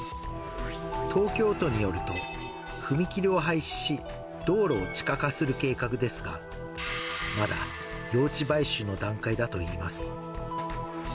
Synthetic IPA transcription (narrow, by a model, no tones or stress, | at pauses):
t̪ʰo̞ːkʲo̞ːt̪o̞ɲ̟ijo̞ɾɯ̟t̪o̞̰ | ɸɯ̟mʲikʲiɾʲio̞ɦaiɕi̥ɕi | d̪̥o̞ːɾo̞ːt͡ɕi̥kakasɨɾɯ̟ke̞ːkakɯ̟d̪e̞sɨɡa̰ | mad̪a̰ | jo̞ːt͡ɕibaiɕɨno̞d̪ãŋkaid̪at̪o̞iːmasɨ̥